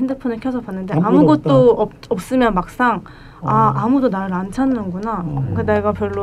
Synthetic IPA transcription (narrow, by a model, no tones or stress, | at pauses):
endɯpʰunɯɭkʰjʌsʰʌpanːɯnde̞amuɡʌt̚tt͈oʌ | ʌp̚s͈ɯmjʌnmak̚s͈aŋ | aʔamudonaɾɯɭant͡ɕʰanːɯnɡonakɯne̞ɡapjʌɭːo